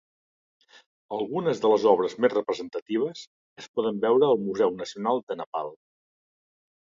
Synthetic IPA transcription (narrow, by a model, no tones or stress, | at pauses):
əlˠɣunəzðələzɔβ̞ɾəzmezrəpɾəzənt̪ət̪iβ̞əs | əspɔðəmbɛwɾəːlˠmuzɛwnəsiunalˠd̪ənəpa̰lˠ